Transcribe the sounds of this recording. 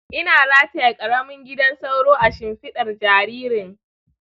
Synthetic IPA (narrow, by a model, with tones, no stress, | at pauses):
ʔɪ˦naː˨zaː˦ta˨ja˨kʼɐ˨ɽɐ˦mɪ˦ŋɡʲɪ˦dɐ˦nsɐ˦wɽoː˦ʔa˨ʃɪ˨mɸɪ˦ɗɐ˨rd͡ʒaː˨ɾiː˦ɾɪ˨ŋ